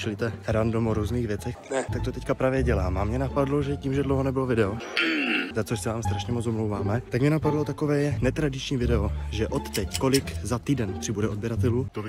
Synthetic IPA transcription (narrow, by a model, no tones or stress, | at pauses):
t͡ʃlit̪ɛɾandomoɾuːzniːɣvjɛt͡sɛxnɛt̪ak̚t̪ot̪ɛckapɾaːvjɛɟɛlaːmamɲɛnapadloʒɛciːmʒɛdlowɦonɛbɪlovɪdɛo | zat͡sosɛvaːmst̪ɾaʃɲɛmot͡somlowvaːmɛt̪akmɲɛnapadlo̞t̪akovɛːjɛnɛt̪ɾadɪt͡ʃɲiːvɪdɛoʒɛʔot̪ːɛckolɪkzat̪iːdɛnpr̥ɪbudɛod̪̚bjɛɾat̪ɛluːt̪o